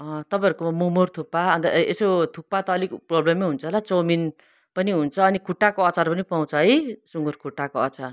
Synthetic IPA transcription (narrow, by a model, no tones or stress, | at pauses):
ʌ̃t̪ʌpaj̃ʌɾukomomort̪ʰupːaʌnt̪ʌḛsot̪ʰupːat̪ʌːlikprʌblemːeɦunt͡sʰʌlat͡somin | pʌniɦunt͡sʰʌːnikʰuʈːakoʌt͡sarpʌnipaw̃t͡sʰʌɦʌjsuŋɡurkʰuʈːakoʌt͡sar